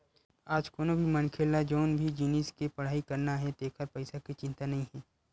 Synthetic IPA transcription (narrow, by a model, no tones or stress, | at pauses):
aːd͡ʒkoːnobʱimɐnkʰeːlːad͡ʒoːnbʱid͡ʒiːniːskepɐɽ̤aːikɐɾnaɦɛd̪eːkʰəɾpɐɪsakit͡ʃɪ̃nt̪anɐɦĩɦɛ̃ː